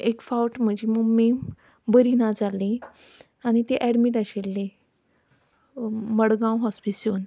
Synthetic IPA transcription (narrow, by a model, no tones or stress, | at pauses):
ekfawʈm̤əd͡ʑiməmem | bəɾinad͡zale | añit̪eʔæɽmiʈaɕelːe | məɽɡãwɦɔspisjon